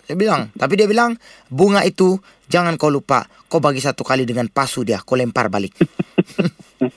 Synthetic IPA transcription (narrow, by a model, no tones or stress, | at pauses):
diabilaŋt̪ap̬idiabilaŋbuŋaʔit̪u | d͡ʒaŋankawlupa̰ | kawbaɡisat̪ukalidəŋanpasudiakolɛmpa̰rbalɪk̚